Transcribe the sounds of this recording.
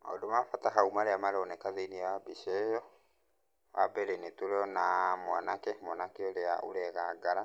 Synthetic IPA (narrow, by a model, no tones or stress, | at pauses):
ɔ̰domafataɦaumaɾeamaɾɔnekaðeiniawabiʃɛjɔ | wabɛɾenetoɾɔnamwanakɛmwanakeoɾeao̰ɾɛɣaɡaɾa